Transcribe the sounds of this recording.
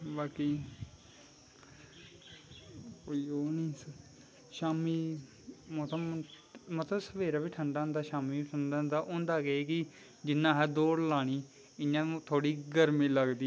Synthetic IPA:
baːkiː | koːiːoːnĩːs | ʃaːmiː | mõt̪a | mət̪ləbsəʋeːɾaːbiːʈʰəɳɖaːɦə̃nd̪aːʃaːmiːbiːʈʰəɳɖaːɦə̃nd̪aːʔʊ̃ːnd̪aːɡeeːkɪ | d͡ʒɪnːãːɦɛːd̪oːɽlaːɽ̃iː | ɪjãːt̪ʰoːɽiːɡəɾmĩːləɡd̪iː

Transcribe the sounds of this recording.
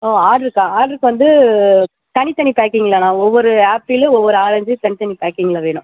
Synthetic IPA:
oːaːɖɾɯkːãːaːɖɾɯkːɯʋɐnd̪ɯ | t̪ɐnit̪ɐɳipaːkːiŋɡɐɭːɐnãːɔʋːɔɾɯaːpɾilɯɔʋːɔɾɯaːɾɐɲd͡ʒɯt̪ɐnɪt̪ɐnipaːkːiːŋɡɐɭɐʋeːɳʊ̰̃

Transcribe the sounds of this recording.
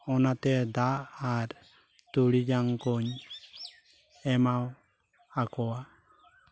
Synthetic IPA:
ɔnat̪ɛd̪aːɾ | t̪uɽid͡ʒaŋkɔɲ | ɛmaw | akɔa

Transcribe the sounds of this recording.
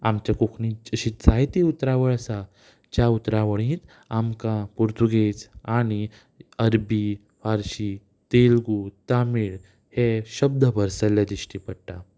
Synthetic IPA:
amt͡ɕjakukʰnĩt͡ɕəɕit̪t͡sajt̪iut̪ɾaʋəɭəsa | t͡ɕjaut̪ɾaʋəɭĩːt̪ | amkãpuɾt̪uɡed͡zaɽ̃i | əɾbi | faɾɕi | t̪elɡut̪amiɭ | heɕəb̚d̪ʱəbʱəɾsəljad̪ɾiɕʈipəɽʈa

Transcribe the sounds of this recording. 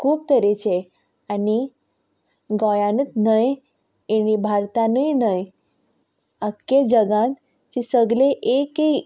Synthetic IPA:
kʰuːp̚t̪əɾet͡ɕe | ani | ɡɔjãnət̪nəj | enibʱaɾt̪anəjnəj | əkːed͡ʑəɡãt̪ | t͡ɕisəɡleʔeke

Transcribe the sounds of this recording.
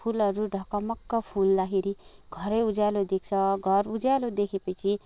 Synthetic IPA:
pʰulʌɾuɖʱʌkamʌkːʌpʰulːaɦeɾi | ɡʱʌɾʌjud͡zalod̪ek̚ʰt͡sʰʌɡʱʌrud͡zalod̪ekʰepʌt͡sʰi

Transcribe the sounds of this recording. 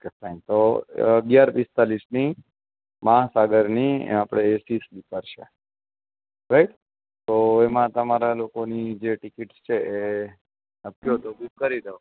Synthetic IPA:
okefaɪnt̪oəɡjaɾbist̪alisni | məɦasaɡəɾniapɽ̃eːsisbipəɾʃḛ | ɾaiʈ | t̪oemãt̪əmaɾalokonid͡ʒeʈikiʈst͡ʃʰeʔe | əpoɦot̪obikəɾiɾeɦo

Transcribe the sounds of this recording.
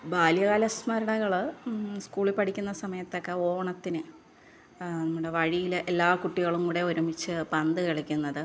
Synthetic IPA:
baːljɐɣaːlɐsmɐɾɐɳɐɣɐɭskuːɭilpɐʈʰikʲːunːɐsɐmɐjɐt̪ːo̞kːe̞o̞ːɳɐt̪ːinɨ | nɐmːuɽe̞ʋɐɻijilʔelːaːkuʈːiɣɐɭumkuːɽe̞uɾumbit͡ɕːɨpɐnd̪ɨkiɭikʲːunːɐðɨ

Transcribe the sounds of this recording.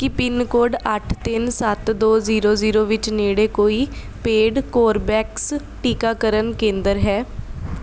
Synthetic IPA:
kɪpɪnkoːɖəʈʰt̪ɪnsət̪d̪oːziːɾoːziːɾoːʋɪt͡ʃneːɽeːkoːiː | peːɖkoːɾbɛːks | ʈiːkaːkəɾənkẽːnd̪əɾɦɛː

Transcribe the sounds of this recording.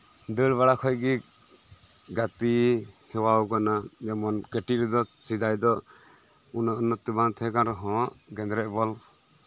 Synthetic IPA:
d̪əlβaɽakʰɔjɡi | ɡat̪ihɛwawkanad͡ʒɛmɔnkɛʈiʔɾɛd̪ɔsid̪ajd̪ɔ | unɔʔɔnːɔt̪ːibant̪ʰɛkanɾɔɦɔ̃ʔɡɛnd̪ɾɛʔ̚bɔl

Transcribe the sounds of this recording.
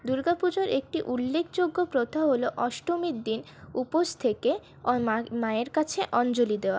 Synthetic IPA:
d̪uɾɡapud͡ʑoɾek̚ʈiʔulːekʰd͡ʑoɡːopɾot̪ʰaɦoloʔɔʃʈomid̪in | upost̪ʰeke | maeɾkat͡ɕʰeʔɔnd͡ʑolid̪eoa

